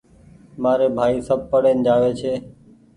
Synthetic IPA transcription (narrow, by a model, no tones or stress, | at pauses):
maːɾeːbʱaːiːsəb̚pəɽeːnd͡ʒaːʋeːt͡ʃʰeː